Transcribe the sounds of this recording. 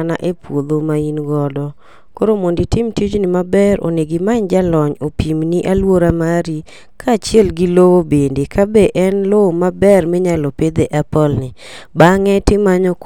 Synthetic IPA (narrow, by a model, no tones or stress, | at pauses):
na̰ʔepwod̪omainɡɔdɔ | koɾomonditɪmtid͡ʒnɪmabɛɾo̰neɡɪmaɲd͡ʒalɔɲopimniʔalwoɾamaɾi | kʰaːt͡ʃjɛlɡɪlowobendekabeʔɛnlowomabɛrmɪɲalɔped̪eʔapɔlnɪ | baŋɛtɪmaɲɔk